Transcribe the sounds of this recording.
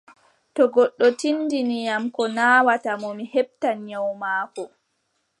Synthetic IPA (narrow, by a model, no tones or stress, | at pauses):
tɔɡɔɗːɔtinːdinijamkɔnaːwatamɔmihɛb̚tanɲawmaːkɔ